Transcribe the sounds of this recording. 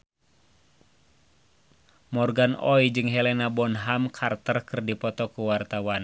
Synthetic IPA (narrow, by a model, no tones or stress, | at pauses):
mɔrɡanɔjd͡ʒɨŋɦɛlɛnabɔnɦamkʰart̪ərkɨrdipɔt̪ɔkuwart̪awan